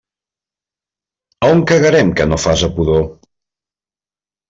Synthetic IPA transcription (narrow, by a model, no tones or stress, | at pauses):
uŋkəɣəɾɛmkənofazəpuðo